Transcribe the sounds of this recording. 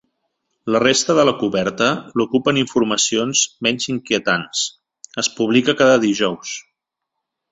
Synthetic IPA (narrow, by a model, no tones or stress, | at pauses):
lərest̪əðələkuβɛɾt̪əlukupəniɱfuɾməsionzmɛɲziŋkiət̪ans | əspuβ̞likəkaðəðiʒɔws